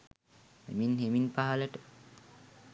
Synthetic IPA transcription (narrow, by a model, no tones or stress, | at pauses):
hḛminheminpaɦaləʈə